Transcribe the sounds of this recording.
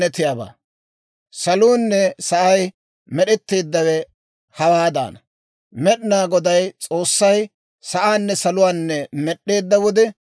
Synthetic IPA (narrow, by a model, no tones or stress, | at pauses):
ɛt̪ɪjaːba̰ː | sɐluːnːɛsɐʔɐj | mɛɗɛt̪ːeːd̪ːɐwɛ | hɐwaːd̪a̰ːnɐ | mɛɗɪnaːɡɔd̪ɐjt͡sʼo̞ːsːɐj | sɐʔaːnːɛsɐlʊwaːnːɛmɛɗːe̞ːd̪ːɐwɔd̪ɛ